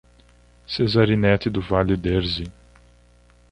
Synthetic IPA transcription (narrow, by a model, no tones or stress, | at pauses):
sezaɾinɛt̪ɪd̪ʊvalɪd̪eɾzi